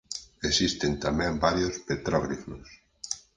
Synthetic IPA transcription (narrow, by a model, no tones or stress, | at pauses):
esist̪ent̪amɛ̃mbaɾjospet̪ɾaβɾiflos